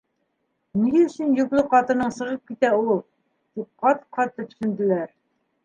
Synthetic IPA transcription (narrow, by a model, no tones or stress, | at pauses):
niɵ̆sɘnjɵ̆klˠɘqɑt̪ɤ̆nɤɴsɤ̆ʁɤp̚kit̪æulˠ | t̪ip̚qɑt̪ɤ̥qχɑt̪ːɤt̪ɵ̥̆ʃɵ̆nd̪ɘ̆læɾ